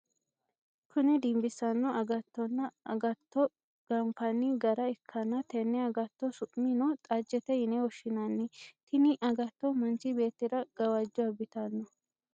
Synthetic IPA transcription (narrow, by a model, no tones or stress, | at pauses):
kʰʊnɛd̪ɪmbɪsɐnːɔɐɡɐt̪ːɔnːɐɐɡɐt̪ːɔ | ɡ̥ɐmpɐnɪɡɐɾɐɛkʰːɐnːɐt̪ɛnːɛɐɡɐt̪ːɔsʊʔʼmɪnɔt̪ʼɐd͡ʒːɛt̪ɛɪnɛwɔʃɪnɐnːɪt̪ɪnɪʔɐɡɐt̪ːɔmɐnt͡ʃɪbe̞ːt̪ːɪɾɐɡ̥ɐwad͡ʒːɔɐbɪt̪ɐnːɔ